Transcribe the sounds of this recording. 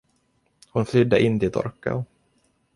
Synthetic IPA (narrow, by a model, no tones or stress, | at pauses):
hʊnflʏd̪ːəʔɪnːd̪ɪt̪ɔ̰ɾka̰